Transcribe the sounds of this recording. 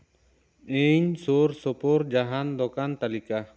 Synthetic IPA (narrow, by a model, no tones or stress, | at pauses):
eɲsoːɾsopoːɾ̚d͡ʒaɦand̪ɔkant̪alika